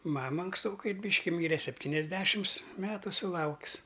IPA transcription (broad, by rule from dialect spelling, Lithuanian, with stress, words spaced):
ˈmɑːmɐ ɐŋksˈtoːkɐɪ ˈbʲiːʃʲkʲɪ ˈmʲiːrʲɛ sʲɛpʲˈtʲiːnʲɛzʲˌdʲæːʃʲɪms ˈmʲæːtʊ sʊˈlˠɐʊks